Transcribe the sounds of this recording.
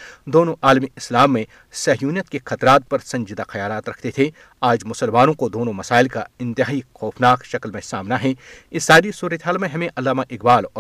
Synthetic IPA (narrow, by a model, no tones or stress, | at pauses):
d̪oːnõʔaːlmiɪslaːmːẽ | sɐɦjuːnjət̪̚kexɐt̪ɾaːt̪̚pɐɾsɐ̃ɲd͡ʒɪd̪axɐjaːlaːt̪ɾɐkʰt̪et̪ʰe | aːd͡ʒmʊsəlmaːnõkod̪oːnõmɐsaːɪlkaɪ̃nt̪ɪɦaːixɔːfʰnaːkʃɐklmẽsaːmnaɦɛ̃ɪsːaːɾisuːɾət̪eɦaːlmẽɦɐmẽʔɐlːaːmaʔɪkbaːlɔː